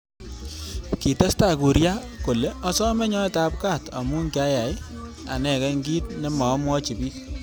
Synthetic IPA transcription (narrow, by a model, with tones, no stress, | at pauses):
ki˨ta˦sta˨ku˨ɾja˦ | ko˨le˦ɔ˦sɔ˦mɛ˦ɲɔ˦ɛ˦ta˦p̚ka˦˨ta̰˨mu˦ŋkja˦ja˨ja̰˨nɛ˨kɛ˦ŋɡi˦t̚ne˦mɔ˨˦mwɔ˦t͡ʃi˨pi˦k̚